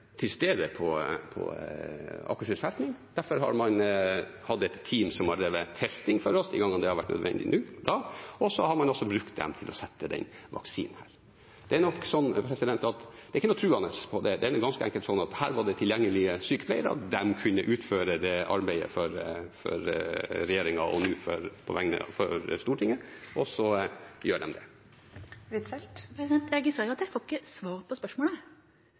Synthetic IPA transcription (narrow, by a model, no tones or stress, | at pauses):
t̪ʰɪlst̪eːd̪əpʰɔpʰɔ̰ | ɑ̰kːəʂɪsælt̪nɪŋd̪æɾfɔɾɦɑ̰ɾmɑn | hɑd̪ːɛt̪ʰːiːmsɔmhɑɖ̪ɾeːʋət̪ʰɛst̪ɪŋfɔɾɔsd̪ɪɡɑŋːənd̪ɛhɑɾʋæʈːnœ̰d̪ʋɛ̰nd̪ɪ̰nʉːd̪ɑːɔsɔhɑɾmɑnɔsːɔbɾʉkt̪̚d̪ɛ̰mt̪ʰɪlʔɔsɛt̪ːəd̪ɛ̰nʋɑ̰ksḭːnəhæːɾ | d̪̥ɛænɔkːsɔnːpʰɾɛsɪd̪ɛnt̪ɑt̪d̪̥ɛɪçːənɔt̪ʰɾʉːɑnəspʰɔd̪ɛd̪ɛænɡɑnskəɛŋkəlsɔnːɑt̪hæːɾʋɑɖɛt̪ʰɪljɛŋːəlɪəsyːkə̥p̪ʰæɪəɾɑ̰d̪ɛmkʰʉnːəʔʉːt̪føːɾəd̪ɛʔɑɾbæɪə̰fɔɾfɔ̰ɾɾɛjeːɾɪŋɑʔɔnuːfɔ̰ɾpʰɔ̰ʋæŋnə̰fɔɾst̪uːʈʰɪŋːəʔɔsɔjøːɖɛmd̪ɛ̰ | ʋɪt̪ɛlt̪pɾsd̪ɛnt̪jæɡsɑʊɑt̪jæfɔkːəsʋɑːɾəpʰɔspœʂmoːlə